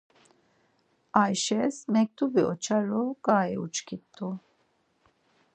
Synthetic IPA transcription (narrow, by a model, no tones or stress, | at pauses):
ajʃɛsmɛk̚t̪ʰʼubiɔt͡ʃʰaɾɔkʼaːɛṵt͡ʃkʰit̪ʼːu